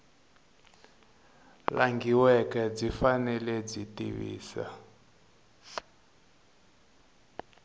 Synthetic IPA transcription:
laŋɡiwɛkɛd͡zifanɛlɛd͡zitiβḭːsa̰

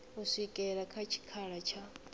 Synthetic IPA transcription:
uʂʷikʼɛɺakʰat͡ʃʰi̥kʰaɺat͡ʃʰa

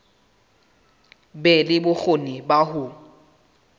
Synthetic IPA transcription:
bɛlɪbʊk͡xʰonɪbahʊ

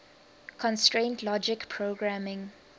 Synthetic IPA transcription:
kʰɔ̃nstɹẽntʰlɔd͡ʒɪkpʰɹoɡɹamɪ̃ŋ

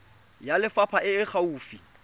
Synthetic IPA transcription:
jalɪfapʰaʔɪːχʰauːfi

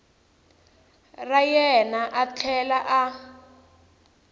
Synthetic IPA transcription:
rajɛnaʔat͡ɬʰɛlaʔa

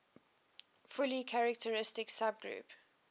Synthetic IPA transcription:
fʊlikʰaɹək̚təɹɪstɪksab̚ɡɹṵp

